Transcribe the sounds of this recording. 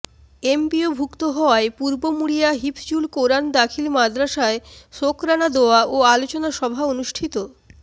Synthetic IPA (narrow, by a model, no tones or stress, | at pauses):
empiobʱukt̪oɦɔaepuɾbomuɽijaɦipʰd͡ʑulkoɾand̪akʰilmad̪ɾaʃaeʃokɾanad̪oaʔoalot͡ɕonaʃɔbʱaonuʃʈʰit̪o